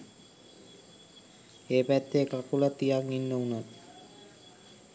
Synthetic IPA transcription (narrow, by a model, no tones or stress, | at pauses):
epɛt̪ːekakulat̪ijaŋinːounat̪